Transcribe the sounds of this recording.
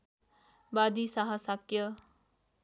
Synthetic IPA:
bad̪isaɦəsakjʌ

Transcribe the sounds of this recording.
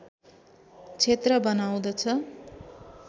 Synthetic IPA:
t͡sʰet̪rʌbʌnaw̃d̪ʌt͡sʰʌ

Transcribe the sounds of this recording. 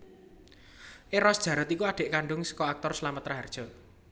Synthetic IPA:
ʔeɾɔsd̥ʒ̥ä̤ɾət̪ikuadɖ̥e̤ʔkaɳɖʊŋsə̥kɔak̚t̪ɔrslamət̪ːɾaɦard̥ʒ̥ɔ̤

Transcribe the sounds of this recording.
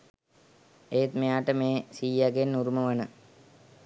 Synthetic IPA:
eːt̪mejaːʈəmeːsiːjaɡenːuɾuməʋanə

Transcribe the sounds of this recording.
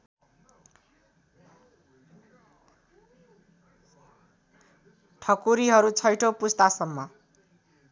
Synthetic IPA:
ʈʰʌkuɾiɦʌɾut͡sʰʌjʈʰopust̪asʌmːʌ

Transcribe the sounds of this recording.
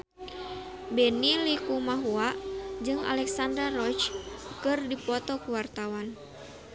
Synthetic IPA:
bɛnilikumaɦuaʔd͡ʒɨŋa̰lɛksandɾarɔt͡ʃkɨrdipɔt̪ɔkuwart̪awan

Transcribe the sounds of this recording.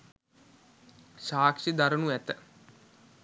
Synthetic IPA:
ʃaːkʂid̪aɾənuæt̪ə

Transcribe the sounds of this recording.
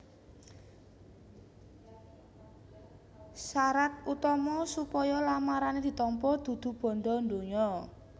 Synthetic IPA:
saɾat̪̚ut̪ɔmɔsupɔjɔlamaɾaned̪̥i̤t̪ɔmpɔd̪̥ṳd̪̥ṳb̥ɔ̤nɖɔnd̪oɲɔ

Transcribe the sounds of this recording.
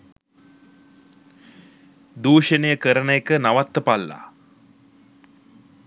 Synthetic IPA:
d̪uːʂənəjəkəɾənəjekənaʋat̪ːəpalːa̰

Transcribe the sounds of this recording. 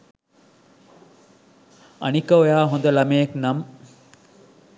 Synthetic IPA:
ɐ̰nikɐojaːɦõnd̪ɐlɐmejeknɐm

